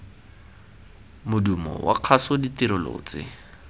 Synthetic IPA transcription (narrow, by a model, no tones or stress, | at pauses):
mʊdumɔ̰wa̰q͡χʰasʊditiɾʊlo̰ːt͡sɪ̰